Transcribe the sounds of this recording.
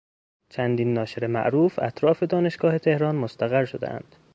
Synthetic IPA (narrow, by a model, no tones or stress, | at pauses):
t͡ʃʰænd̪iːnːɒːʃeɾemæ̰ʔɾuːfæ̰t̪ʰɾɒːfe̞d̪ɒːne̞ʃɡ̥ɒːhe̞t̪ʰe̞hɾɒːnmost̪æɣæɾʃod̪ḛʔæ̰nd̪̥